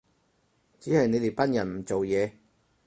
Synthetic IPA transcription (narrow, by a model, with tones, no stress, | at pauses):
t͡siː˨˥hɐ˨jne˨˧jt̪e˨jpɐ˥njɐ˨˩nm̩˨˩t͡so˨wjɛː˨˧